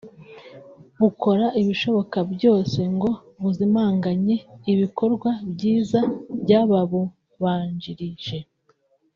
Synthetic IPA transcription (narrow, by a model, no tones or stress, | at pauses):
βuko̞ɾaʔiβiʃo̞βo̞kabjo̞ːse̞ŋɡo̞ | βuzimaːŋɡaɲe̞iβiko̞ɾɡwabɟiːzabɟaβaβo | βaːɲɟiɾiʒ̥e̞